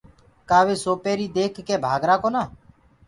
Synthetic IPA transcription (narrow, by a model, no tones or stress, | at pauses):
kaːʋeːsoːpeːɾiːd̪eːkʰːeːbʱaːɡɾaːkoːnaː